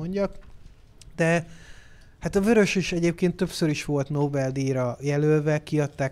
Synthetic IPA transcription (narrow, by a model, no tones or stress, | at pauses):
oɲɟɒk | d̪̥ɛ | hat̪ɒvøɾø̞ʃeʃɛɟeːp̚keːnt̪ːø̞psøɾiʃʋo̞lt̪noːbɛld̪iːɾɒjɛlølvɛkiɒt̪ːaː